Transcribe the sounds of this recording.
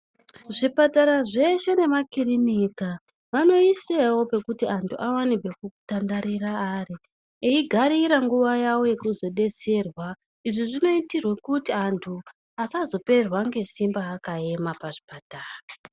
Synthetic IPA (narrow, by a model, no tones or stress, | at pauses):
ʐipataɾaʐe̞ʃe̞ne̞makirinika | ʋano̞isewo̞pe̞kutiantʰuʔawanikwekukutandaɾiɾaːri | eiɡʱaɾiɾaŋɡuʋajawo̞je̞kuzo̞ɗe̞se̞rwa | iʐiʐino̞itirwe̞kutiantʰu | asazo̞pe̞rwaŋɡe̞simbaːkae̞mapaʐipataːraa